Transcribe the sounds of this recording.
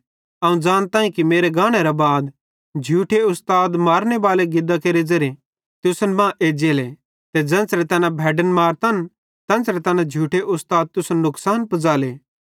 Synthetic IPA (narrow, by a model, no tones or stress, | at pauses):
ɐːũd͡ʒaːñt̪ãːĩkimeːɾeɡaːɽ̃eɾabaːd̪ | d͡ʒʱuːʈʰeʊst̪aːd̪maːɾñebaːleɡɪd̪akeːɾed͡ʒɐɾe | t̪ʊsənbãːʔeːd͡ʒeːle | t̪ed͡ʒɐ̃nsɾet̪ɐnãbʱɛːɖənmaːɾt̪ɐːn | t̪ɐ̃ːnsɾet̪ɐnãd͡ʒʱuːʈʰeʔʊst̪aːd̪̚t̪ʊsənːʊksaːnpɐd͡zaːleː